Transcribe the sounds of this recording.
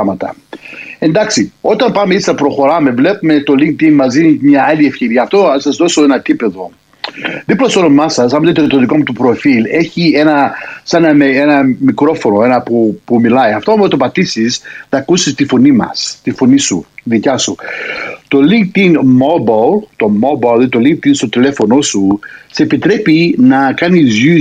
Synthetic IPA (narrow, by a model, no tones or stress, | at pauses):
ɐmɐt̪ɐ̰e̞nd̪ɐksio̞t̪ɐmpɐme̞isɐpɾo̞xo̞ɾɐme̞vle̞pume̞t̪o̞liŋk̚t̪inmɐzinimɲɐɐlie̞fçe̞ɾiɐːft̪osɐzðo̞so̞enɐt̪ipe̞ðo̞ | ðiplost̪ono̞mɐsɐsɐmɐt̪et̪ot̪oðikomut̪upɾo̞file̞çie̞nɐsɐnɐmeenɐmikɾo̞fo̞no̞e̞nɐpupumilɐiɐft̪omɐt̪opɐt̪isisnɐkusist̪ifonimɐ̰st̪ifonisṵðicɐsu | t̪o̞liŋk̚t̪inmobɐlt̪o̞mobɐðet̪oliŋk̚t̪inst̪ot̪ile̞fo̞no̞susepit̪ɾe̞pinɐkɐnizʝi